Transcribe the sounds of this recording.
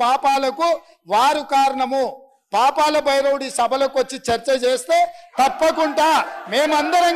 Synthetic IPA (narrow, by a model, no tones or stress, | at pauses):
paːpaːlɐku | ʋaːɾukaːɾɐɳɐmu | paːpaːlɐbʱɐjɾowuɽisɐbʱɐloːkuʋɐt͡ʃːit͡ʃɐɾt͡ʃɐt͡ʃeːst̪e̞ːt̪ɐpːɐkuɳʈaːme̞ːmuɐnd̪ɐɾɐŋ